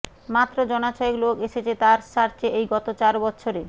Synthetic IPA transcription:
mat̪ːɾod͡ʑɔnat͡ɕɔeklokeʃet͡ɕʰet̪aɾʃaɾt͡ɕʰeʔejɡɔt̪ot͡ɕaɾbɔtːɕʰoɾe

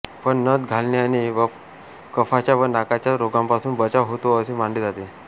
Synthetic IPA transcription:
pəɳnəd̪ɡʱalnjaniʋə | kəfat͡ɕjaʋənakat͡ɕjaɾoɡãmpasuːnbət͡ɕaʋɦot̪oəsemaɳɖed͡zat̪e

